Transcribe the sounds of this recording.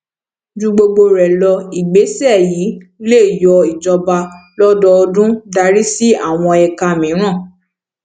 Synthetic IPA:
d͡ʒũ˧ɡ͡bo˧ɡ͡bo˧ɾɛ˨lɔ˧i˨ɡ͡be˨˦sɛ˦˨jiː˨˦le˦˨jɔ˧i˨d͡ʒɔ˧ba˧lɔ˦dɔ˧ɔ˧dũ˦da˧ɾi˦si˦a˦˨w̃ɔ̃˧ɛ˨ka˧˨mĩ˨˦ɾ̃ã˦˨

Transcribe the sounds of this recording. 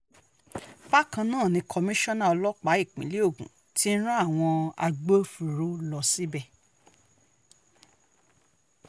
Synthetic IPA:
ba˦kã˧nãː˦˨nĩ˧kʰɔ˧mĩ˦ʃɔ˦nã˦˨ɔ˧lɔ˦k͡pa˨˦i˦˨k͡pḭ̃˨˦le˦o˦˨ɡṵ̃˨˦ | ti˦n̩˦ɾ̃ã˦a˦˨w̃ɔ̃˧a̰˧ɡ͡bo˦fu˨ɾo˨˦lɔ˧si˦bɛ˦˨

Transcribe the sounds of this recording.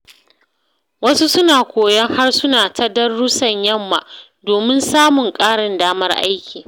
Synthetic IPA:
wɐ˦su˦sʊ˦naː˨kʷoː˨jɐ˦ŋha˦rsʊ˦naː˨tʰɐ˦dɐ˦rːʊ˦sɐ˨ɲjɐ˦mːa˨ʔ | doː˨mɪ˦nsaː˦mʊ˨ŋkʼaː˦ɽɪ˨ndaː˦mɐ˦rʔa̰˦jkʲiː˨

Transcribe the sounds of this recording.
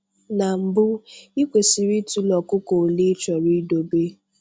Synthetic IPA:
na˨m̩˨bʊ˦i˦kʷe˨si˨ɾi˦tu˦lɔ˨kʊ˦ko˨li˦t͡ʃɔ˨ɾi˦do˨be˦

